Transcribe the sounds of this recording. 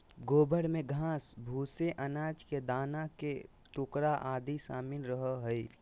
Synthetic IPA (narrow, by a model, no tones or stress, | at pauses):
ɡoːbəɽmẽɡʱãːsbʱuːseʔənaːd͡ʒked̪aːnake | t̪ʊkɾaʔaːd̪isa̰ːmɪnɾəɦəɦʊi